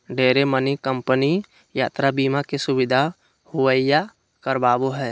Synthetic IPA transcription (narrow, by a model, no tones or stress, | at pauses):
ɖeːɾemənikəmpəni | jaːt̪ɾabiːmakesʊbɪd̪ʱa | hʊəija | kəɾbaːboɦɛː